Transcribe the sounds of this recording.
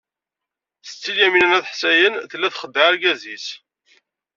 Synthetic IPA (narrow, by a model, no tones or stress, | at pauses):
θə̥t͡sːiljæminænæθħsæjənθəlːæθχəd̪ːəæɾɡæzis